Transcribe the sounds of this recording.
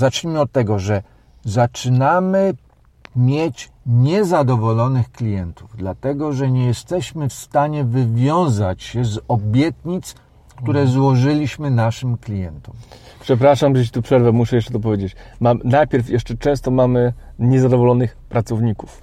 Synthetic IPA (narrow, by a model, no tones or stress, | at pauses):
zat͡ʂɲimɘɔt̪̚tːɛɡɔʐɛ | zat͡ʂɘnamɘ | mʲjet͡ɕ | ɲɛzad̪ɔvɔlɔnɘxklʲijɛnt̪uvd̪lat̪ɛɡɔʐɛɲɛjɛst̪ɛɕmɘfst̪aɲɛvɘvʲjɔ̃w̃zat͡ɕɕɛzɔbʲjɛt̪ɲit̪s | kt̪uɾɛzwɔʐɘlʲiɕmɘnaʂɘmklʲijɛnt̪ɔm | pʂɛp̬ɾaʂambʐɛt͡ɕi̥t̪upʂɛɾvɛmuʂɛjɛʂt͡ʂɛt̪ɔp̬ɔvjed͡ʑet͡ɕmamnajpʲjɛɾfjɛʂt͡ʂɛt͡ʂɛ̃w̃st̪ɔmamɘɲɛzad̪ɔvɔlɔnɘxpɾat̪sɔvɲiku̥f